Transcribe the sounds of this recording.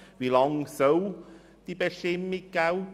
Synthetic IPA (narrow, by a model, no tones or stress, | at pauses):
vilɔŋsəw | t̪ipɛʃemːikaw